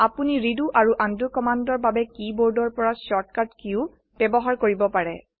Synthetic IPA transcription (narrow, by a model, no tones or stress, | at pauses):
apuniɹiduʔaɹuʔandukɔmandɔɹbabɛkiboɹdɔɹpɔɹasɔɹtkatkiʊ | b̥ɛbɔɦaɹkoɹibɔpaɹɛ̰